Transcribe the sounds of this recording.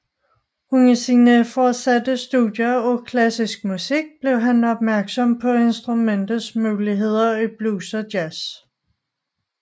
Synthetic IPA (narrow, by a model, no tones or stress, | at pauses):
hunisiːnəfɒdsæd̥əsd̥udjɐɒkʰlæsisɡ̥̚musiɡ̥̚b̥le̝ʊ̰ɦænɒ̽b̥̚mæɐɡ̥sɒ̽mpʰɒ̽e̝nsd̥ʁumen̰d̥ð̩ˠsmuːliɦe̝ð̞̰ˠɐib̥luːsɒd̥jæs